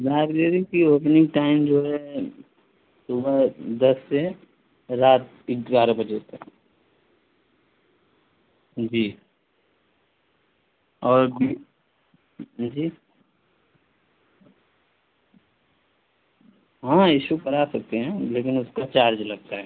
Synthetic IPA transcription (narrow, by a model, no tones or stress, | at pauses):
zaːɾɡeɾikioːpnɪ̃ɡ̚ʈaːɪmd͡ʒoːɦɛ | sʊbəɾd̪ɐsːe | ɾaːt̪ | ɪkzaːɾãbɐd͡ʒet̪ɐk | d͡ʒiː | ɔːɾbi | d͡ʒiː | ɦãːɪʃukɐɾasɐk̚t̪eɦɛ̃leːkɪnʊskat͡ʃaːɾd͡ʒlɐɡ̚t̪aɦɛː